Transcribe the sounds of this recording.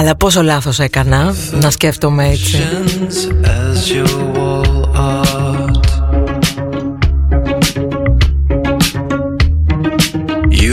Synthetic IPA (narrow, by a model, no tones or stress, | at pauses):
ɐlɐpo̞s̬o̞lɐθo̞se̞kɐnɐ | nɐsce̞ft̪omeet͡sinz̥ɨzjɔwɔlˠɑt | j